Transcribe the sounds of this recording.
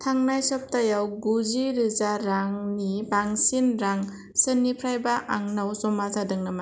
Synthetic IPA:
tʰaŋnajsɔp̚tajawɡuziɾɯzaɾaŋnibaŋsinɾaŋ | sɯnːipʰɾajbaʔaŋnawsɔmazʰadɯŋnama

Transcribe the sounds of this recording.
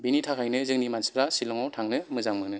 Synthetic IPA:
binitʰakʰhajnɯzɯŋnimansi̥pɾasilɔŋawtʰaŋnɯmɯzaŋmɯknɯ

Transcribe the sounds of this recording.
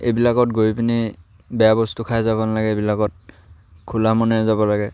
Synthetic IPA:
ḛjbilakɔtɡojpini | bɛjabɔstukʰajzabɔnalaɡɛebilakɔt̚ | kʰulamɔnɛjazabɔlaɡɛ

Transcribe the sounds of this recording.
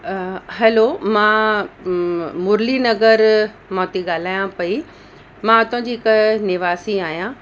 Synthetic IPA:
ɦɐlomãː | mʊɾlinɐɡəɾ | mɔːt̪iɠaːl̤aːjãpɐi | mãɐt̪ʊ̃d͡ʑiːɪknɪʋaːsiaːɦijãː

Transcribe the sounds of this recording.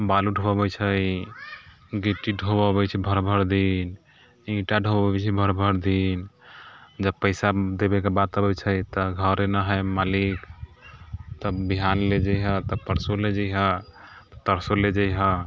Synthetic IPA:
baluɖʱobabɛt͡ʃʰəj | ɡiʈːiɖʱobəbɛt͡ʃʰɛbʱəɾbʱəɾd̪in | ĩʈaɖʱobbɛt͡ʃʰɛbʱəɾbʱəɾd̪in | d͡ʒəbpəɪsad̪ebekebat̪əbɛt͡ʃʰəjt̪ɔɡʱəɾenəɦəmalik | t̪əbiɦanled͡ʒəjɦə̃t̪əpəɾsoled͡ʒəjɦə̃ | t̪ɔ̥t̪əɾsoled͡ʒəjɦə̃

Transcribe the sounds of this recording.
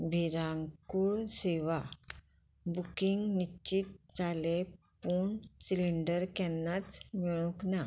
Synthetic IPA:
bʱiɾãŋkuɭseʋa | bukiŋɡnit͡ɕit̪̚d͡zʱale | puɳsiliɳɖəɾkɛ̃nːat͡smiɭ̃ũkna

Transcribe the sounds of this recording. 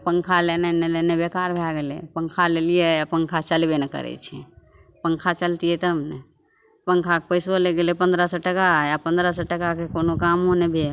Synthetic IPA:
pəŋkʰalenenelenebekaɾbʱaɡelepəŋkʰalelijepəŋkʰat͡ʃəlbenekə̰ɾɛ̰t͡ʃʰɛ | pəŋkʰat͡ʃəlt̪iɛt̪əmne | pəŋkʰakpəɪsoleɡelepə̃nd̪ɾəsɔʈəkajapə̃nd̪ɾəsɔʈəkakekonokamɦonebʱe

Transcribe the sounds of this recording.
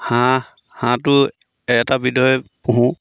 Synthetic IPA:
hã | hãtʊ | ɛtabidɔɔpuɦũ

